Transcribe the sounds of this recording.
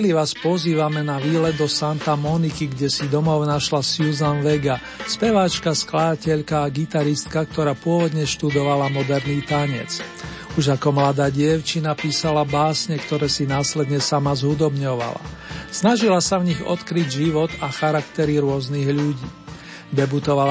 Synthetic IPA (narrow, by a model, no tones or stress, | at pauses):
ɛliʋaːspɔziːʋamɛnaʋiːlɛd̪ɔsant̪amɔnikiɡɟɛsid̪ɔmɔʊnaʃlasjuzanʋɛɡa | spɛʋaːt͡ʃkasklad̪acɛʎkaːɡit̪aɾist̪kak̚t̪ɔɾaːpʊɔʋɔd̪ɲɛʃt̪ud̪ɔʋalamɔd̪ɛɾniːt̪aɲɛ̰t͡s | uʒakɔmlad̪aːɟɪɛʊt͡ʃinapiːsalabaːsɲɛkt̪ɔɾɛːsinaːslɛd̪ɲɛsamazɦud̪ɔbɲɔʋa̰la̰ | snaʒilasavɲiɣɔ̰t̪kɾiɟʒiʋɔt̪axaɾakt̪ɛɾiɾʊɔzniɣʎuɟiː | d̪ɛbut̪ɔʋal